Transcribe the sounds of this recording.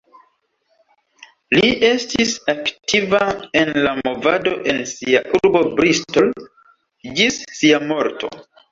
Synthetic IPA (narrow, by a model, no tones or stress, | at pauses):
liʔe̞stisaktivae̞nlamo̞va̰do̞ʔe̞nsiaʔuɾbo̞bɾistol | d͡ʒisːiamo̞ɾto̞̰